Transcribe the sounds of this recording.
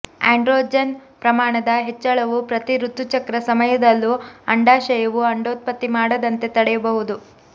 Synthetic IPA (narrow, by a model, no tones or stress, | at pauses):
a̰ːɳɖɾoːd͡ʒɐnpɾɐmaːɳɐd̪ɐɦet͡ʃːɐɭɐʋupɾɐt̪iɾut̪ːut͡ʃɐkɾɐsɐmɐjɐd̪ɐlːuɐɳɖaːʃɐjɐʋuɐɳɖoːt̪̚pɐt̪ːimaːɽɐd̪ɐnt̪e̞t̪ɐɽɛjɐbɐɦud̪u